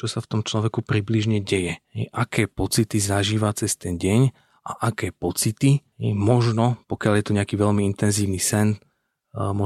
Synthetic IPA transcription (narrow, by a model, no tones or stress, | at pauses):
t͡ʃɔsaft̪ɔmt͡ʃlɔʋɛkupɾibliʒɲɛɟɛjɛɦɛjʔakɛːpɔt͡sit̪izaʒiːʋat͡sɛst̪ɛnɟɛɲ | ʔa̰ʔakɛːpɔt͡sit̪iɦɛjmɔʒnɔpɔkɪaljɛt̪ɔɲɛakiːʋɛʎmiint̪ɛnziːʋnisɛn | mɔ